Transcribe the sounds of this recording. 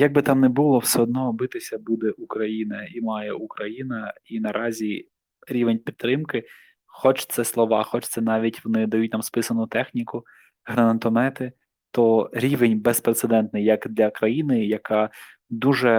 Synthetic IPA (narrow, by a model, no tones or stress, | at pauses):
jɐɡ̚bɨt̪ɑmnɛbʊlˠɔwsɛɔd̪̚nɔːbɪt̪ɪsʲɐbud̪ɛʔukɾɐjinɐimɑjɛukɾɐjinɐ | inɐɾʔɑzʲi | ɾʲiʋenʲpʲit̪ːɾɪmkɪ | xɔt͡ʃt̪sɛslˠɔʋɑxɔt͡ʃt̪sɛnɑʋʲitʲʋɔnɪd̪ɐjut̚ʲnɑmspɪsɐnʊt̪ɛxnʲikʊ | ɦɾɐnɐt̪ɔnɛt̪ɪ | t̪ɔɾʲiʋenʲbɛspɾet̪sed̪ɛnt̪nɪjɐkd̪lʲɐkɾɐjinɪjɐkɑ | d̪uʒɛ